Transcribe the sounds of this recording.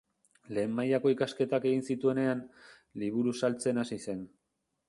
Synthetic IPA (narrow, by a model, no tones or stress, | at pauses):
le̞ːmːajako̞ikaske̞t̪ake̞ɣ̞insit̪ue̞ne̞an | liβ̞uɾusalt͡se̞nasise̞n